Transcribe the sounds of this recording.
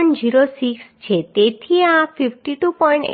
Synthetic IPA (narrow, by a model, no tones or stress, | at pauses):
ɳʈd͡ʑiɾosikst͡ɕʰet̪et̪ʰieãfʰipʈiʈupɔjɳʈ